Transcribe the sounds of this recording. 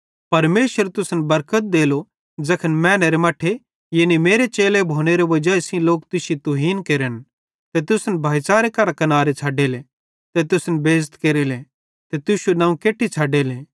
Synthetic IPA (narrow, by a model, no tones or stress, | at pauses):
pɐɾmeːʃəɾt̪ʊsnbɐɾkət̪̚d̪eːlo | d͡ʒɐkʰənmɛ̃ːneɾemaːʈʰe | jeːnimeːɾet͡ʃeːlebʱoːneɾeʋɐd͡ʒaːesĩloːk̚t̪ʊsit̪ʊɦiːnkeːɾən | t̪et̪ʊsnbʱaːjsaːɾekɐɾakɐnaːɾet͡ʃʰaːɖele | t̪et̪ʊsnbeːzt̪keːɾele | t̪et̪ʊʃunãːũkeːʈʰːit͡ʃʰaːɖeːlẽː